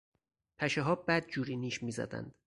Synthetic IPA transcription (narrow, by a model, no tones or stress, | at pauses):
pʰæʃeɦɒːbæd̪̚d͡ʒuːɾiːniːʃmiːzæ̰d̪æ̰nd̪̥